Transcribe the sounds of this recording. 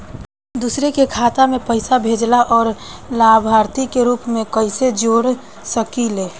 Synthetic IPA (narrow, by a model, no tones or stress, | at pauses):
d̪uːsɾekekʰaːt̪amẽpəɪsabʱed͡ʒlaʔɔːɾ | labʱaɾt̪ikeɾuːpmẽkəɪsed͡ʒoːɾ | səkileː